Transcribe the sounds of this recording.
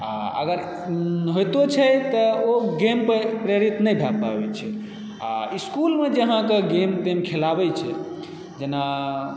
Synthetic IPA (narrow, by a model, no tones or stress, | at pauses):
a̰ə̰ɡəɾ | ɦojt̪ot͡ʃʰɛt̪əoɡempepɾjeɾit̪nəjbʱabbabɛt͡ʃʰɛ | a̰iskulmed͡ʒəɦãkeɡemt̪emkʰelabɛt͡ʃʰɛ | d͡ʒena